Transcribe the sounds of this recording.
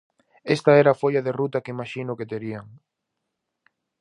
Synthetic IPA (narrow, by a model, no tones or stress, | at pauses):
est̪ɐɛɾafoʎɐðerut̪ɐkeimaʃinʊket̪eɾiaŋ